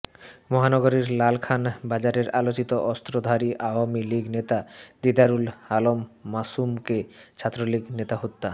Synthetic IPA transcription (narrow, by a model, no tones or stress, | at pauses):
mɔɦanɔɡoɾeɾlalkʰanbad͡ʑaɾeɾalot͡ɕit̪oʔɔst̪ɾod̪ʱaɾiʔaoamiliɡnet̪ad̪id̪aɾulalomːasumket͡ɕʰat̪ːɾoliɡnet̪aɦot̪ːa